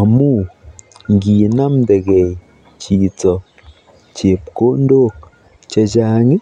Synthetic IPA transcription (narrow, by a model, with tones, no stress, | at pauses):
a˨mu˦ŋ˦ɡi˨na˦mde˨ɡe˨j | t͡ʃi˨t͡sɔ˨ | t͡ʃe˨p̚ko˦n˦do˦˨k̚ | t͡ʃa˧d͡ʒa˦ŋi˦